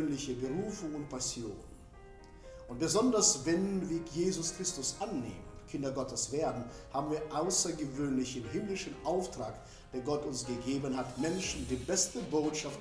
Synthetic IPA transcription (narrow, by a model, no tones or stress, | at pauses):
nlɪçəbəʁuːfʊŋʊnt̚pʰasjo̰ːn | ʔʊnt̚b̥əzɔndɐsvɛnviːɐjeːzʊskʁ̥ɪstʊsʔanːḛːmə̰nkʰɪndɐɡɔtəsv̥eːɐdn̩haːbmn̩viːɐʔaʊsɐɡəvøːnlɪçɪmɦɪmlɪʃn̩ʔaʊftʁ̥aːk | d̥eːɐɡɔtʊnsɡ̥əɡeːbənɦatmɛnʃn̩diːbɛstəboːtʃaft